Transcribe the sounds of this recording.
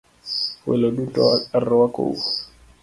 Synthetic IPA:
wɛ̰loɗutɔarɔwako̰

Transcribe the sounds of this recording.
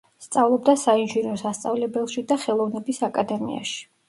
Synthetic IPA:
st̪sʼavlˠɔb̚d̪asainʒinɔsast̪sʼavlɛbɛlˠʃid̪aχɛlˠɔvnɛbisakʼad̪ɛmḭa̰ʃi̥

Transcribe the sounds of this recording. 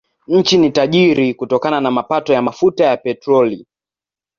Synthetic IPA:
ɲ̩t͡ʃinitaʄiɾikutɔkananamapatɔjamafutajapɛtɾɔli

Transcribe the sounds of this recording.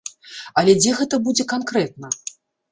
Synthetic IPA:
ɐlʲɛd͡zʲɛɣɛt̪ɐbud͡zʲɛkankɾɛt̪̚nɐ

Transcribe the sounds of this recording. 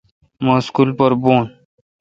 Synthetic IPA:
maskulpəɾboːn

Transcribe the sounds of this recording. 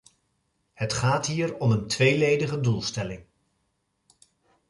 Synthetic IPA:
hətχaːtɦiːɹɔməntʋejlejdəχədulˠstɛlɪŋ

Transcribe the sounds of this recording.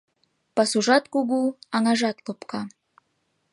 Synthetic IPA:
pɑsuʒɑt̪kuɣuɑŋɑʒɑt̪lopkɑ

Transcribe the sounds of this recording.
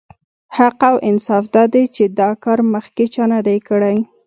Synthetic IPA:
haqawʔɪnsɑfd̪ɑd̪et͡ʃed̪ɑkɑɾməxket͡ʃɑnad̪ajkəɽaj

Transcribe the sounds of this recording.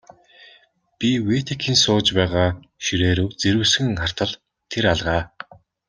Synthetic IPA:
pʲiweːt̪ʰekʰiːnsʊːt͡ɕpæːʁaː | ʃiɾeːɾuːt͡seɾŭːsɘ̆ŋχar̥t̪ə̆ɮ | t̪ʰeɾaɮʁaː

